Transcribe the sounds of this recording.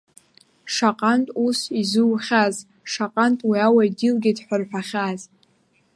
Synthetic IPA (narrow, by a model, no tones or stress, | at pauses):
ʂaqʼantʼusizɨwχʲaz | ʂaqʼantʼwiawaidilɡʲidħʷarħʷᶣaχʲaz